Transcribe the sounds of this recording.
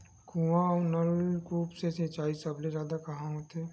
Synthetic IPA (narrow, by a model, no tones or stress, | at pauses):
kuːãɔːɾnɐɾkuːpseset͡ʃaːisɐblezjaːd̪akɐɦãɦot̪eː